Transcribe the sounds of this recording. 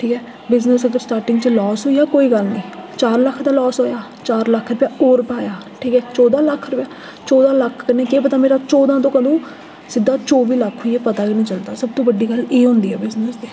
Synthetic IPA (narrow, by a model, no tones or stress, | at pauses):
ʈʰiːkɛː | bɪznəsəɡəɾsʈaːɾʈɪ̃ŋɡt͡ʃəlɔːsɦoːijaːkoːiːɡəlnĩːt͡ʃaːɾləkʰːd̪aːlɔːsɦoːjaː | t͡ʃaːɾləkʰɾʊpjaːoːɾpaːjaːʈʰiːkɛːt͡ʃɔːd̪ãːləkʰːɾʊpjaː | t͡ʃɔːd̪ãːləkʰkənẽːkeːpət̪aːmeːɾaːt͡ʃɔːd̪ãːt̪̬õːkəd̪õː | sɪd̪ːaːt͡ʃoːʋiːləkʰːɦoieːpət̪aːɡiːnĩːt͡ʃəld̪aːsəb̚t̪õːʋəɖiːɡəleːɦʊ̃ːnd̪iːɛːbɪznəsd̪eː